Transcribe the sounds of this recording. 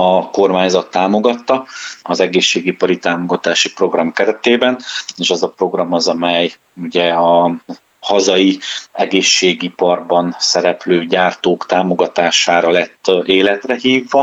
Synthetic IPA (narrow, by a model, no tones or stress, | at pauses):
ɒko̞rmaːɲzɒt̪ːaːmo̞ɡɒt̪ːɒɒzɛɡeːʃːeːɡipɒɾit̪aːmo̞ɡɒt̪aːʃipro̞ɡrɒmkɛɾɛt̪eːbɛneːʃɛzɒpro̞ɡrɒmɒzɒmɛj | uɟɛɒ | hɒzɒjiɛɡeːʃːeːɡipɒrbɒnsɛɾɛpløːɟaːrt̪oːkt̪aːmo̞ɡɒt̪aːʃaːɾɒlɛt̪ːeːlɛt̪rɛɦiːvːɒ